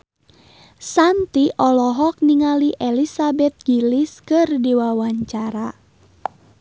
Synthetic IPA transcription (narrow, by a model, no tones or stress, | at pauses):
sant̪iʔɔlɔɦɔk̚niŋaliʔelisabɛt̪̚ɡ̥iliskɨrdiwawaɲt͡ʃaɾa